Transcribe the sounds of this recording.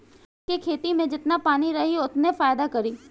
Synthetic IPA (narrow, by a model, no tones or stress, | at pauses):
kekʰeːt̪imẽd͡ʒɪt̪napaːniɾɐɦiʊt̪nẽfaːjd̪akɐɾiː